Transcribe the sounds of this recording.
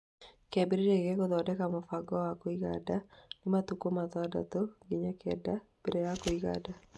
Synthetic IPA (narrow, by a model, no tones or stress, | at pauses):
kɛbɪɾiɾeɡɛkɔd̪ɔdɛkamɔfaɡɔakɔiɡadanɪmat̪ukomat̪ɔda̰t̪oɡɪɲakɛ̰dab̥eɾɛakoiɡa̰da